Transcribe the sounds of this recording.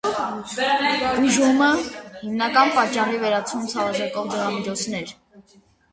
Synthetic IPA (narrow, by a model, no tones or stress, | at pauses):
b̥uʒuməhimnɑkɑnpɑt͡ʃːɑrivɛɾɑt͡sʰumt͡sʰɑvɑʒɛkɔvd͡ʒəʁɑmid͡ʒʰɔt͡sʰnɛɾ